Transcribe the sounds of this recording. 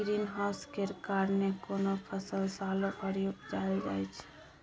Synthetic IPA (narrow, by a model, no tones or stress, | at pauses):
ɡɾinɦaʊskeɾkaɾnekonopʰəsəlsalopəɾjopd͡ʒald͡ʒa̰jt͡ʃʰɛ̥